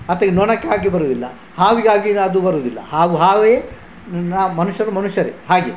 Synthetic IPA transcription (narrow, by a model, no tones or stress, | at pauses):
ɐt̪ːɐɡnɔɳɐkːeaːɡibɐɾuːd̪ilːɐ̰ | haːʋiɡaːɡiɐd̪ubɐɾuːd̪ilːɐ̰haːɡuɦaːʋeː | naːmɐnuʃjɐɾumɐnuʃjɐɾeɦaːɡe